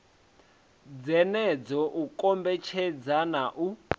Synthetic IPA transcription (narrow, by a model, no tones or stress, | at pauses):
d͡zɛnɛd͡zɔʔukʼɔmbɛt͡ʃʰɛd͡zanaʔu